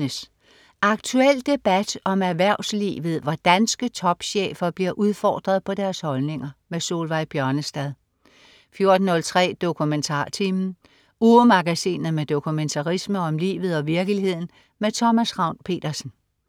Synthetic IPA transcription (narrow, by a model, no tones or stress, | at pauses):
əs | ʔɑ̈ɡ̥̚t͡sʰuel̰d̥e̝b̥æd̥ɒ̽mæɐʋæɐʊslḭːʋð̞̩ˠʋɒd̥ænsɡ̥ət͡sʰɒ̽b̥ɕḛːfɐb̥liɐʔuð̞ˠfɒ̰ːd̥ʁɐð̞ˠpʰɒ̽d̥æɐshɒ̽lne̝ŋɐmeso̝̰ːlʋɑ̈ɪb̥jɶɐnəsd̥ɛð̞ˠ | fjo̝ɐd̥n̩hɔ̽lt͡sʰʁɛ̰ːd̥o̝kʰument͡sʰɑ̰̈ːt͡sʰiːmn̩ | uːəmɑ̈ɡ̥æsḭːnð̩ˠmed̥o̝kʰument͡sʰɑʁisməɒ̽mlḭːʋð̞̩ˠɒ̽ʋiɐɡ̥əlihe̝ð̰ˠn̩ | met͡sʰɒ̽mæsʁɑ̈ʊ̰npʰe̝̰ːd̥ɐsn̩